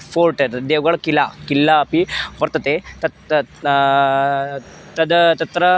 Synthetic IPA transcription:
poːɾʈɐɾd̪eːʋɡɐɭkilakilːaːpibɐɾt̪ɐt̪et̪ɐ | t̪ɐd̪t̪ɐt̪ɾɐ

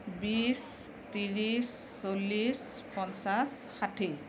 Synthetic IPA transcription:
bis | t̪iɹisː | olis | pɔnsas | xatʰi

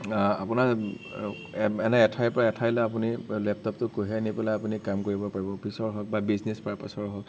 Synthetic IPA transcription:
a̰puna | ɛnɛɛtʰajpɔɹaɛtʰajlɛap̬unilɛp̚tɔp̚tʊkoɦɛnipɛlaapunikamkoɹibɔpaɹibɔpʰisɔɹɦɔk̚babiznɛspaɹapasɔɹɦɔk

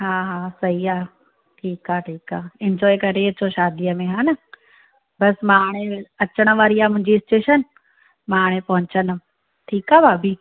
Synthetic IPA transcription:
ɦaːɦaːsɐɦiaː | ʈʰiːkaːʈʰiːkaːɪ̃ɲd͡ʒɔːjkɐɾet͡ɕoʃaːd̪ijəmẽɦãːnə | bɐsmaːɽ̃ẽɐt͡ʃəɽ̃ʋaːɾiaːmʊ̃ɦɪ̃ɲd͡ʑiɪsʈeːʃən | maːɽ̃ẽpɐɦʊ̃ɲt͡ɕən | ʈʰiːkaːbaːbʱiː

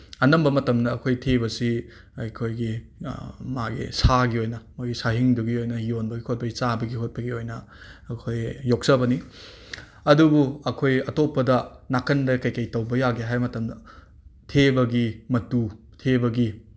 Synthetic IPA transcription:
ɐnɐmbɐmɐtɐmdɐːkʰojtʰebɐsi | ɐjkʰojɡi | maɡḭsaɡiojnɐmaɡisaɦiŋduɡiojnɐhionbɐɡikʰhʰot̚pɐɡit͡ʃabɐɡihot̚pɐɡiojnɐ | ɐkʰojːok̚sɐbɐni | ɐdubuɐkʰojɐtopːɐdɐnakɐndɐkɐjkɐjtɐwbɐjaɡeɦajmɐtɐmdɐ | tʰebɐɡimɐtu | tʰebɐɡi

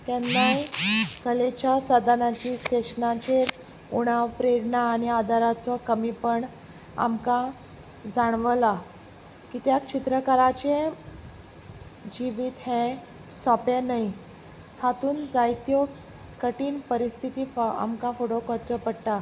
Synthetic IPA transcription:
t̪ɛnːajkəlet͡ɕjasəd̪ʱanat͡ɕiːst̪eɕnãt͡ɕeɾ | uɽ̃aʋpɾeɽɳaːniad̪ʱaɾat͡sɔkəmiːpəɳ | a̰mkã | d͡zaɳ̃ʋəla | kiːt̪jakt͡ɕit̪ɾəkaɾat͡ɕe | d͡ʑiʋiːt̪ɦẽ | sɔpenaj | hat̪uːnd͡zajt̪jo | kəʈiːnpəɾist̪ʰit̪iːa̰mkãfoʈokəɾt͡sɔpəɽʈ̪a

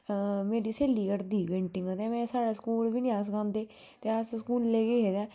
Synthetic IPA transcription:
meːɾiːseːliːkəɾd̪iːʋẽːɳʈɪ̃ŋɡət̪eːmɛ̃ːsaːɽaːsə̥kuːlbiːnĩːaːs̬kãːnd̪eː | t̪eːasskuːlleːkeːɦeːd̪ɛː

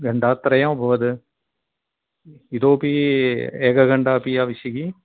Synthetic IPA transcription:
ɡɐɳɖaːt̪ɾɐjãːbʱɐʋɐðɯ | iðoːpieːɡɐɡɐɳɖaːpijaːʋɪsiɡi

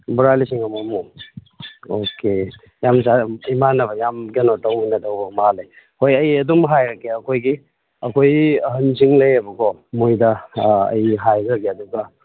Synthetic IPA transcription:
bɾalisiŋɐmɐmu | okʰe | jamsaɐjmanɐbɐjamɡenotawminɐtawbɐmalej | hojɐjɐdumɦajɾɐkeɐkʰojɡi | ɐkʰojɦɐnsiŋlɐjɐbɐɡɔmojdɐɐ̰jɦajɡɐɡeɐduɡɐ

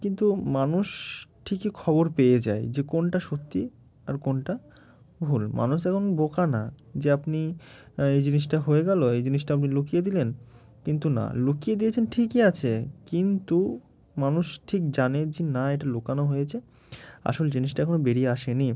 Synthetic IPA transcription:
kint̪umanuʃʈʰikikʰɔboɾpeed͡ʑa̰ed͡ʑekonʈaʃot̪ːi | a̰ɾkonʈa | bʱulmʔa̰nuʃɛkʰonbokana̰ | d͡ʑeapniejd͡ʑiniʃ̬ʈaɦoeɡɛloejd͡ʑiniʃʈaap̬nilokijed̪ilen | kint̪una̰lokijed̪ijet͡ɕʰenʈʰikiat͡ɕʰekint̪u | manuʃʈʰikd͡ʑaned͡ʑenaeʈalokanoɦojet͡ɕʰe | a̰ʃold͡ʑiniʃʈaɛkʰonobeɾieaʃeni

